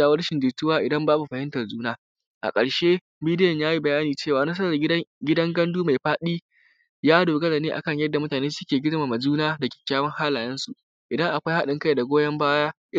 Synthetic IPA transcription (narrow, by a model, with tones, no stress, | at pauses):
aː˨wɐ˦ɽʃɪ˨ndɪː˨tːʊ˦waː˦ʔɪ˨dɐ˦mbaː˦bu˨ɸɐ˨hɪ˦ntɐ˨rzuː˦naː˦ | ʔa̰˨kʼɐ˨ɽʃeː˦ | biː˦dɪ˦jɐ˨ɲjaː˦ji˦bɐ˨jaː˦niː˨t͡ʃeː˦˨waː˨nɐ˦s̬ɐ˦ɾɐ˨rɡʲɪ˦dɐ˦ŋɡɐ˦nduː˦ma˨jɸaː˦ɗiː˦ | jaː˦doː˨ɡɐ˦za˨neː˦ʔa̰˨kɐ˦˨ɲjɐ˦rdːa˨mʊ˦taː˨neː˦sʊ˦kʲeː˨ɡʲɪ˦dmaː˨mɐ˨zuː˦naː˦dɐ˨kʲe̥˨kʲaː˦wɐ˦ŋhaː˦laː˨jɐ˦nsu˨ | ʔɪ˨dɐ˦ŋʔa˨kʷa˦jha˦ɗɪ˨ŋkɐ˦jda˨ɡʷoː˦jɐ˦mbaː˦jaː˦ʔɪ˦